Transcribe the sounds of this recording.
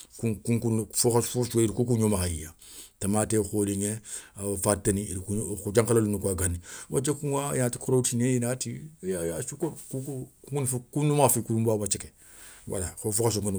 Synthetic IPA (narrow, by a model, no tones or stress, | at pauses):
kukuŋkunfoafosukeiɾikuk̬uɲomakajiɲãtamaːtexoːliɲeafateniiɾikuxud͡ʒãŋkalalunukuaɡaniwat͡ʃekuŋajãti̥kʰoɾoutineinatijajasukokukukuŋkunfkunumafikuɾumbaːwat͡ʃeke̥ | wʔa̰laxofokas̬oŋkun